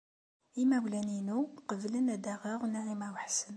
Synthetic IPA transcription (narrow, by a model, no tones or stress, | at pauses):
imæwlæninuqəvlənæd̪æʁaʁnaʕimæwəħsən